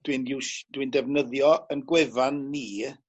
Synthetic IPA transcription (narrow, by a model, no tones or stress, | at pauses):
d̥winɪwʃd̥windɛvnəðjɔənɡwɛvanːiː